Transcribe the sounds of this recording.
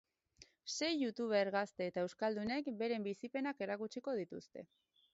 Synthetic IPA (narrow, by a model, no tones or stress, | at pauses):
se̞jʝut̪uβ̞e̞ɾɣast̪e̞ːt̪ae̞wskald̪une̞kbe̞ɾe̞mbisipe̞nake̞ɾakut͡ʃiko̞ð̞it̪ust̪e̞̰